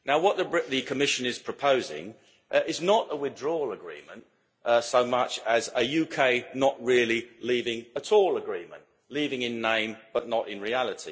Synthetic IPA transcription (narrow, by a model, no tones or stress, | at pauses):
naʊwʌʔ̪̚ðəðɨkʰəmɪʃɨ̃nɪz̥pʰɹ̥əpʰəʊzɪ̰̃ŋ | ɪznəʔəwɪðdɹɔləɡɹḭ̃ːmə̃nt | soʊmʌt͡ʃəzəjʉkʰeɪnəʔ̚ɹɪəlˠilivɪ̃ŋətʰɔːlˠəɡɹĩmə̃nʔ | liːvɪ̃ŋɪ̃nːẽɪ̃mb̥ʌʔⁿnəɾɪ̃nɹiælˠɪtʰḭ